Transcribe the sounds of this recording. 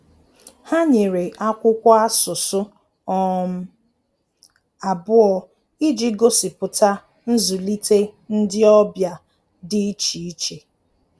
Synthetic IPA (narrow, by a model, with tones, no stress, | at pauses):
ha˦ɲe˨ɾe˨ʔa˦kʷʊ˦kʷa˦a˦sʊ˨sʊ˦ | ɔ˦m̩˦ | a˨bʊ˦ɔ˦ | i˦d͡ʒi˦ɡo˦sɪ˨pʊ˨ta˦ | n̩˦zu˨li˦te˦n̩˦dɪ˦ɔ˦bja˨ | dɪ˦t͡ʃi˨i˦t͡ʃe˨